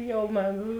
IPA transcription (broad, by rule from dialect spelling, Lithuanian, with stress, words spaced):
ˈjɛʊ mɐ